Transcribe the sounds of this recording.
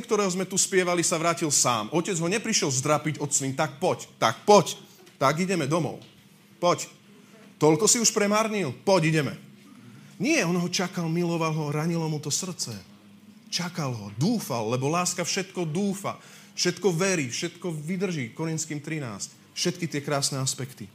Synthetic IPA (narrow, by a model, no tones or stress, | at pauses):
kt̪ɔɾɛːɦɔzmɛt̪uspɪɛʋalisaʋɾaːcilsa̰ːmʔɔcɛd͡zɦɔɲɛpɾiʃɪɛlzd̪ɾapiɟɔt̪sniːmt̪ak̚pɔct̪ak̚pɔc | t̪aɡiɟɛmɛd̪ɔmɔ̰ʊ | pɔc | t̪ɔlkɔsiuʃpɾɛmaɾɲilpɔɟiɟɛmɛ̰ | ɲɪɛɔnɦɔt͡ʃakalmilɔʋalɦɔɾaɲilɔmut̪ɔsr̩t͡sɛ | t͡ʃakalɦɔd̪uːfa̰lːɛbɔlaːskafʃɛt̪kɔd̪uːfa̰ | fʃɛt̪kɔʋɛɾifʃɛt̪kɔʋid̪r̩ʒiːkɔɾint̪skimt̪ɾina̰ːsc | fʃɛt̪kit̪ɪɛkɾaːsnɛaspɛkt̪i